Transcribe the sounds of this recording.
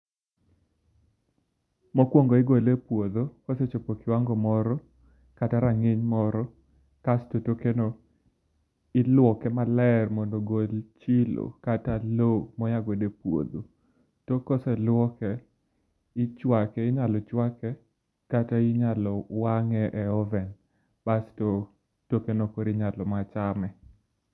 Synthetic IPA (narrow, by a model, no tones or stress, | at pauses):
mokwoŋɡoɪɡolepwod̪okoset͡ʃopokɪwaŋɡɔmɔɾɔ | kataɾaŋeɲmɔɾɔ | kastotokeno | ɪlwɔkɛmalɛrmɔndɔɡolt͡ʃɪlo̰katalomɔjaɡodepwo̰d̪o | tokosɛlwɔkɛ | ɪt͡ʃwakɛɪɲalɔt͡ʃwakɛ | kataiɲalɔwaŋɛʔɛɔvɛn | b̥asto | tokenokoɾɪɲalɔmat͡ʃamɛ